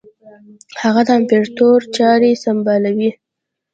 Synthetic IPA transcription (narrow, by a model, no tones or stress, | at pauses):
haɣad̪əampeɾt̪oɾt͡ʃɑɾesambɑlawi